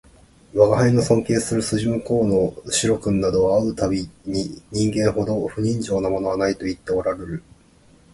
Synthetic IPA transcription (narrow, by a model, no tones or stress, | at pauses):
βaɡahaino̞sõ̞ŋkeːsɨɾɯ̟sɨʑimɯ̟ko̞ːnoɕiɾo̞kɯ̟̃nːad̪o̞βaɯ̟t̪abʲiɲ̟iɲ̟ĩŋɡẽ̞ɰho̞d̪o̞ɸɯ̟ɲ̟ĩɲd͡ʑo̞ːnamo̞no̞βanait̪o̞it̪ːe̞oɾaɾe̞ɾɯ̟